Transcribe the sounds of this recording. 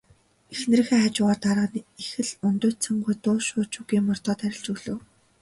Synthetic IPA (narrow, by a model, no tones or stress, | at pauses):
exn̆rɘ̆xeːaːt͡ɕʊːʁaːrt̪aɾʁə̆nexɘ̆ɮɵnt̪ʊːt͡sə̆ŋɢujt̪ʊːʃʊːt͡ɕuɣiːmɔr̥t̪ɔːt̪ʰæɾʲɪ̆ɮt͡ɕuːɮɵ̆w